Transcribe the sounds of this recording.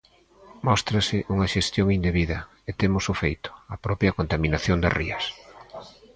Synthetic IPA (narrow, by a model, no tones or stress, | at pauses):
mɔst̪ɾɐsɪʔuŋɐʃest̪joŋind̪eβiðɐ | et̪emʊsʊfejt̪ʊ̥apɾɔpjɐkont̪aminaθjond̪ɐ̰riɐs